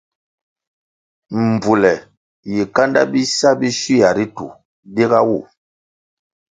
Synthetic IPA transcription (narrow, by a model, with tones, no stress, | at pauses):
m̩˨bu˨lɛ˨ | ji˨ka˦nda̰˦bi˦sa˦bi˦ʃi˦ja˨ɾi˦tṵ˨ | de˦ɡa˦wu˦˨